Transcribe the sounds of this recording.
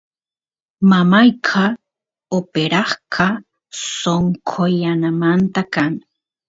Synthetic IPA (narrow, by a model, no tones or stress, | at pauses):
mamajkʰa | opeɾaχkʰa | soŋkʰojanamant̪akan